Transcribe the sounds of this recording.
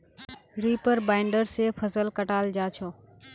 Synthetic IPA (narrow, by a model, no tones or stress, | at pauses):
ɾiːpəɾbaːɪɳɖəɾseːfʰəsəlkəʈaːld͡ʒaːt͡ʃʰoː